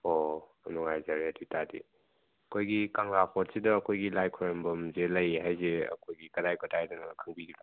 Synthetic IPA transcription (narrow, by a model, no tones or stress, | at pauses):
o | ɐnuŋajzaɾeaditadḭ | ɐkʰojɡikaŋɾapʰɔt̚sidɐːkʰojɡilajkʰɔɾembɐmzelɐjɦajzeɐ̰kʰojɡikɐdajkʰotʰajdɐnɐkʰəŋbiɡila